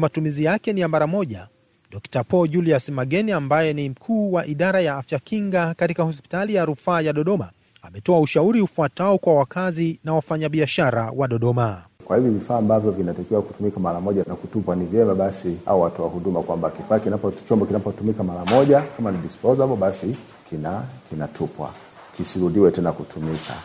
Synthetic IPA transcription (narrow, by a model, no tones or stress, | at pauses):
matumizijakɛnijamaɾamɔʄa | ɗɔktapɔʄuliasmaɡɛniambajɛnim̩kʰuːwaʔiɗaɾajaafjakiŋɡakatikahɔspi̥talijaɾufaːjaɗɔɗɔma | amɛtɔauʃauɾiufuataɔkwawakazinawafaɲaɓiaʃaɾawaɗɔɗɔmakwahivjɔvifaːmbavjɔvinatakiwaku̥tumikamaɾamɔʄanakutupwanivjɛmaɓasia̰uwatɔwahuɗumakwambakifaːkinapɔt͡ʃɔmbɔkinapɔtumikamaɾamɔʄakamaniɗispɔzahapɔɓasi | kinakinatʰupwa̰ | kisiɾuðiwɛtɛnakutʰumikʰa̰